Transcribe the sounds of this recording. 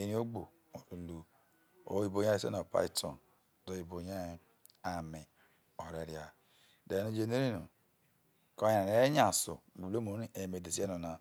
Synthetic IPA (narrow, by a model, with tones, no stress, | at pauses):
e˦ni˦o˦ɡ͡bo˨ | o˨lu˨lu˨ | o̰˨˦i˦˨bo˨ɲe˦e˦˨sḛ˦no˨pa̰˦i˦tʰɔ̰˨n˨ | do˦i˨bo˨ɲe˦ | a˨mi˨ | o˨ɾe˨ɾja˨ | de˨no˦d͡ʒe˦˨ne˦ɾi˦no˨ | ko˦a˨a˨e˦ɲa˨so̰˨ɡ͡bu˨lo˦mo˨˦i˦e˨me˨de˨si˦e˦no˨na˨